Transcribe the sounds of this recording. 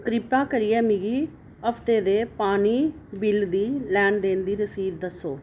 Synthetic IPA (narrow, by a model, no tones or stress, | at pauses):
kɾɪpaːkəɾɪjɛːmiɡiː | əfʰt̪eːd̪eːpaːniː | bɪld̪iːlɛːɳɖd̪eːnd̪iːɾəsiːd̪d̪əsoː